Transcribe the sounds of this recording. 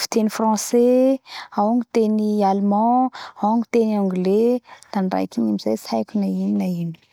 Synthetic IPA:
fi̥t̪enifrɑ̃se | awŋit̪enialmɑ̃awaŋit̪enɔ̃ŋɡled̪̥aɳɖ͡ʐa̰jkinimizajsajkʲunaininaini̥

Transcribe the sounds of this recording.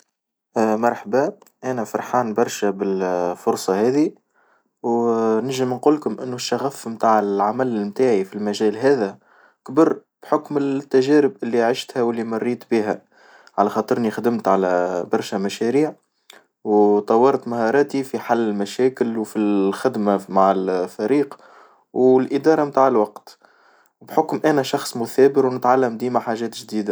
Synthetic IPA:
ʔmɑɾˤħbæ | ʔænæfɑɾˤħaːnbɑɾˤʃæbɪlfʊɾsˤɑhæːði | wnɪʒɪmnquːlkʊmʔɪnːuʃːaɣæfmt̪aːʕɪlʕamælɪlmt̪aːʕifilmæʒæːlɦæːðæ | kbɪɾb̥ħʊkmɪlt̪ːæʒæːɾɪbʔɪlːiʕɪʃt̪hæwɪlːimɑrˤːiːt̪biːɦæ | ʕalæxɑːt̪ˤɨɾnixd̪ɪmt̪ʕalæbɑɾˤʃæmæʃæɾiːʕ | wt̪ˤɑwːɑɾˤt̪mahɑːɾˤɑːt̪ifiħalːɪlmæʃæːkɪlwfixɪd̪mamaʕɪlfæɾiːq | wlʔɪd̪ɑːɾˤɑmt̪aːʕɪlwɑqt̪ | bħʊkmʔænæʃɑxsˤmʊθæːbɪɾwnɪt̪ʕalːæmd̪iːmaħaːʒɛːt̪ʒd̪iːd̪æ

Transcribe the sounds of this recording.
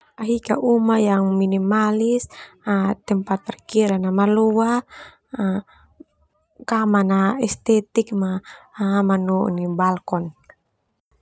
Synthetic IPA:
aɦika̰ʔumajaŋminimalisat̪ɛmpat̪̚pɛrkiɾanamalua | kamanaɛst̪ɛt̪ik̚ma | manṵnibalkɔn

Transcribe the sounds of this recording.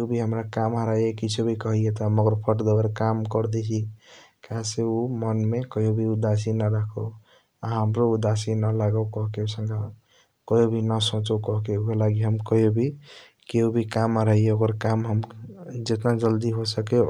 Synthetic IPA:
keubʱiɦəmɾakamɦəɾajekit͡ʃʰubʱikəɦijet̪ɔməɡəɾpʰəʈd̪oɡəɾkamkɔɾd̪et͡ʃʰikaseumənmekəjobʱiud̪asinaɾakʰo | aɦəmɾoud̪asinəlaɡəwkɔɦkeusəŋɡa | kəjobʱinəsõt͡ʃɔwkɔɦkeukelaɡiɦəmkɔjobʱi | keubʱikamaɾajeoɡəɾkamɦəmd͡ʒet̪nad͡ʒəld̪iɦosəke

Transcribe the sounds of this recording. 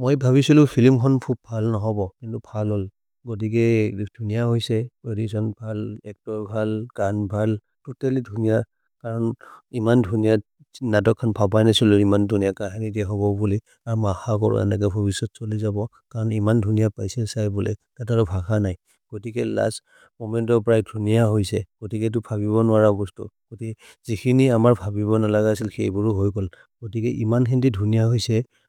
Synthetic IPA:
mojbʱaβisilʊ̃pʰilimkʰɔnpʰup̚bʱalnɔɦɔbɔkintubʰʱalɔl | ɡot̬ikɛd̥ʱunijahɔjsɛedisɔnbʱalɛk̚tɔɹbʱalɡ̥anbʱal | tutalidʱunija | kaɹɔnimandʱunija | natɔkʰːanpʰabajnasiluimandʱunijakaɦanidiɛɦɔβɔbuli | aɹumaxakɔɹɔ̰ɛ̰nak̬ɛbʱɔbisɔtsolizabɔ | kaɹɔnimandʱunijapajsɛlsajbulɛ̰tataɹɔbʱaxanaj | ɡ̥otikɛla̰s | mɔmɛntɔɹpɹajdʱunijaɦojsɛɡ̥otikɛt̬ʊbʰʱabiβɔnʊwaɹabɔstṵɡ̥oti | zikʰiniamaɹbʱabiβɔnalaɡaasilxejbʊɹɦojkɔl | ɡ̥otikɛʔimanxʰɛndidʱunijaɦojsɛ

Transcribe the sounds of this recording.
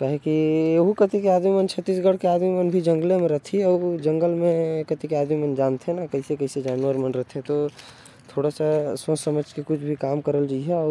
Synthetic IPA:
kaɦekiɦukət̪ikeaːd̪mimənt͡ʃʰət̪ːiːs̬ɡəɽ̤keaːd̪mimənbʱid͡ʒə̃ŋɡlemẽɾət̪ʰiɛd͡ʒə̃ŋɡəlmẽkət̪ikeaːd̪mimənd͡ʒaːnt̪ʰenakəɦisekəɪsed͡ʒaːnuəɾmənɾəɦt̪ʰẽt̪o | t̪ʰoːɽasasə̃səməd͡ʒkekʊt͡ʃʰbʱikaːmkəɾəld͡ʒaiɦɛɔː

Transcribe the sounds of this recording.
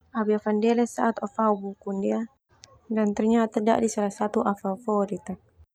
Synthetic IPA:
abiafandɛlɛsaʔat̪ɔfaubukundia | dant̪ərɲat̪ada̰ʔdisalasat̪uʔafafɔɾit̪a

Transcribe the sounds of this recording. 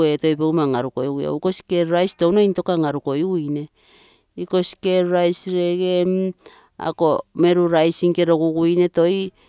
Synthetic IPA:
eto̞jbewmaŋaɾuko̞juja̰uko̞si̥ke̞ɾɾajstownojnto̞kaŋaɾuko̞jujne̞ | iko̞si̥keɾɾajsɾe̞ɡem | a̰ko̞me̞ɾuɾajsiŋke̞ɾo̞ɡuɡujne̞to̞j

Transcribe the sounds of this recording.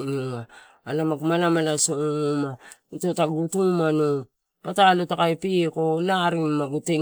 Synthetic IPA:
ŋuŋaː | lamakumalamalasoŋumautotaɡutuŋmano | patalotakajpikolaɾiŋmaɡute

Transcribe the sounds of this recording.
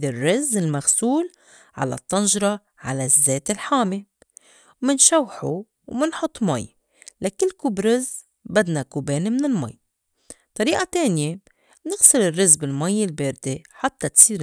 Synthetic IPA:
ɪrːɪzɪlmaɣsuːl | ʕa̰la̰t̪ˤːɑnʒɾˤɑ | ʕalazːeːt̪ɪlħaːme | wmɪnʃawħu | wmɪnħʊt̪ˤːma̰j | lakɪlːkubɾɪz | bad̪nakubeːnmɪnɪlma̰jː | t̪ˤːɑɾiːʔat̪eːnje | nɪɣsɪlɪrːɪzbɪlmajːɪlbeːɾd̪eħat̪ːat̪siːɾ

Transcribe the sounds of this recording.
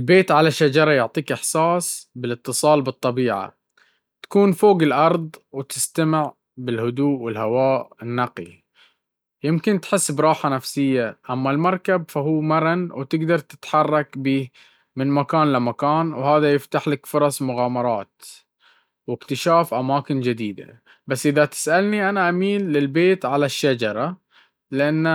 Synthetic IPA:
ɪlbeːt̪ʕalaʃːad͡ʒɑɾˤɑjʊʕt̪ˤiːkʔɪħsaːsˤbɪlɨt̪ːɨsˤɑːlbɨt̪ˤːɑbiːʕa̰ | t̪ḁkuːnfoːɡɪlʔɑɾˤðˤwɪt̪ɪst̪amɪʕ | bɪlhʊd̪uːʔwɪlhawaːʔɪnːɑqḭ | jɪmkɪnt̪ħɪsːbɾˤɑːħanafsɪjːaʔamːalmɑɾˤkabfahuːmɑɾˤɑnwt̪ɪɡd̪ɑɾˤt̪ɪ̥t̪ħɑrˤːɑkbiː | mɪnmakaːnlɪmakaːnwhaːðajɪft̪aħlakfʊɾˤɑsˤmʊɣaːmɑɾˤɑːt̪ | wɪkt̪ɪʃaːfʔamaːkɪnd͡ʒɪd̪iːd̪a̰ | basːʔɪðat̪ɪ̥sʔalniʔanaʔamiːnːɪlbeːt̪ʕalaʃːad͡ʒɑɾˤɑ | lɪʔanː

